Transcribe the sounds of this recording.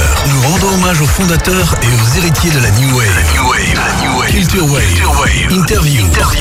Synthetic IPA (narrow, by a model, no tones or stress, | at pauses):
nuʁɑ̃d̪ɔ̃ɔmaʒofɔ̃d̪at̪œʁeozeʁit̪jed̪əlanjuwɛ | kʲylt̪yʁwɛj | ĩnt̪ɛʁvju